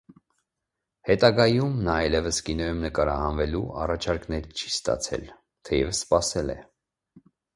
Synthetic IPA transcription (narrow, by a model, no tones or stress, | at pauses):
hɛt̪ɑɡɑjumnɑɑjlɛvəskinɔjumnəkɑɾɑhɑnvɛlṵɑ̰rɑt͡ʃʰɑɾknɛɾt͡ʃʰi̥st̪ɑ̰t͡sʰɛ̰l | t̪ʰɛjɛvəsːpɑsɛlɛ̰